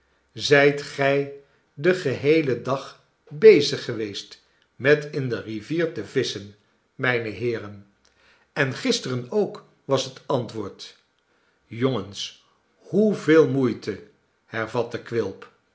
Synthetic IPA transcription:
zɛjtχɛj | dəχəɦejlədɑχ | bejzəχəʋejst | mɛtɪndəriviːɹtəvɪsən | mɛjnəɦɪːɾən | ɛnχɪstərənowk | ʋɑsɦətɑntʋʊːɹt | joŋəns | huvɪːlˠmujtə | hɛɹvɑtəkʋɪlˠp

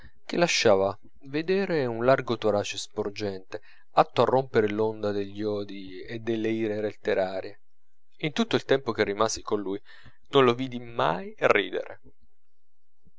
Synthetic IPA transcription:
k̟ɪlːaʃːaːva | ved̪eːɾeunlarɡot̪oɾaːt͡ʃespord͡ʒɛnt̪e | at̪ːoarːompeɾelond̪ad̪eʎːɔːd̪i | ed̪ːelːeiːɾelet̪ːeɾaːɾje | int̪ut̪ːoilt̪ɛmpok̟erːimaːzikonluj | nonloviːd̪ima̰jrːḭːd̪ḛɾḛ

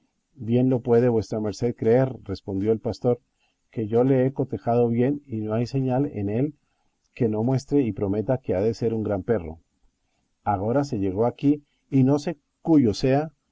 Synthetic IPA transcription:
bje̞nlo̞pwe̞ðe̞βwe̞st̪ɾame̞ɾse̞ðkɾe̞eɾre̞spond̪jo̞elpast̪o̞ɾ | ke̞ʝo̞le̞eko̞t̪e̞xað̞o̞βje̞nino̞ajse̞ɲalḛne̞l | ke̞no̞mwe̞st̪ɾeipɾo̞me̞t̪ake̞aðe̞se̞ɾuŋɡɾampe̞ro̞̰ | aɣo̞ɾas̬e̞ʝe̞ɣ̞o̞akiː | no̞se̞ | kuʝo̞se̞a

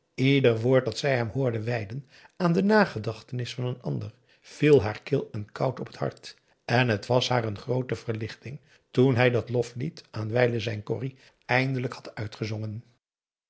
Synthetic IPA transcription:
idəɹʋʊːɹt̚dɑtsɛjɦɛmɦʊːɹdəʋɛjdən | aːndənaːχədɑχtənɪsfɑnənɑ̰ndər | v̥ilˠɦaːɹkɪlˠɛnkʰɑwtɔpʰə̥thɑ̰ɹt | ɛnɦətʋɑsɦaːrənχrowtəvəɹlɪχtɪŋ | tunɦɛjdɑtlɔflitaːnʋɛjləzɛjnkɔ̰ri | ɛjndələkhɑ̥tœɥtχəzɔŋən

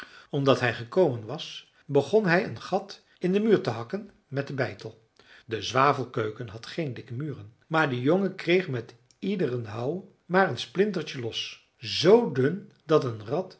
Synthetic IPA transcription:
ɔmdɑtɦɛjχəkowmənʋɑs | bəχɔnɦɛjənχɑt | ɪndəmyːɹtəɦɑkən | mɛt̚dəbɛjtəlˠ | dəzʋaːvəlˠkøɥkənɦɑtχejndɪkəmyːrən | maːɹdəjoŋəkrejχmɛt | idərənɦɑw | maːɹənsplɪntəɹt͡ʃəlɔs | zowdɵn | dɑtənrɑt

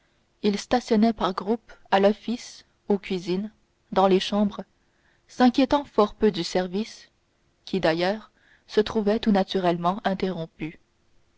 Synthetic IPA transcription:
ilst̪asjɔnɛpaʁɡʁupalɔfis | okʲɥizin | d̪ɑ̃leʃɑ̃bʁ | sɛ̃kʲjet̪ɑ̃fɔʁpød̪ysɛʁvis | kʲid̪ajœːʁ | sət̪χuvɛt̪unat̪yʁɛlmɑ̃ʔɛ̃t̪eʁɔ̃py

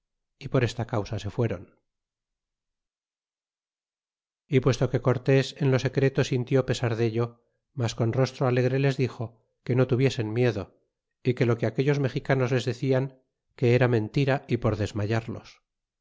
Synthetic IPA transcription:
ipo̞ɾe̞st̪akawsase̞fwe̞ɾo̞n | ipwe̞st̪o̞ke̞ko̞ɾt̪e̞se̞nlo̞se̞kɾe̞t̪osint̪jo̞pe̞saɾðe̞ʎo̞ | masko̞nro̞st̪ɾoale̞ɣɾe̞le̞zðixo̞ | ke̞no̞t̪uβje̞se̞nmje̞ðo̞ | ike̞lo̞keake̞ʎo̞zme̞xikano̞zle̞zðe̞θiaŋ | ke̞eɾamẽ̞nt̪iɾaipo̞ɾðe̞zmaʝaɾlo̞̰s

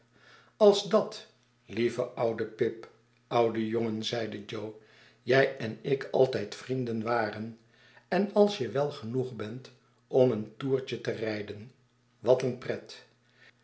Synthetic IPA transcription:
ɑlˠzdɑt | livəʔʌwdəpɪp | ʌwdəjoŋənzɛjdəd͡ʒow | jɛjɛnɪkʰɑ̰lˠtɛjtfrindənʋaːrən | ɛnɑlˠsjəʋɛlˠχənuχbɛnt | ʔɔməntuːɹt͡ʃətərɛjdən | ʋɑtənprɛt

